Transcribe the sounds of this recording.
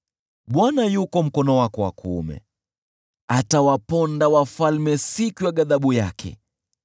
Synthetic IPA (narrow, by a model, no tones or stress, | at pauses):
ɓwanajukɔm̩kɔnɔwakɔwa̰kṵmɛ̰ | atawapɔndawafalmɛsikujaɠaðaɓujakʰɛ̰